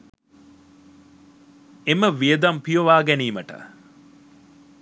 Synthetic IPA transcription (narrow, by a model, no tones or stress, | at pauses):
eməʋijəd̪ampijoʋaːɡæniːməʈə̰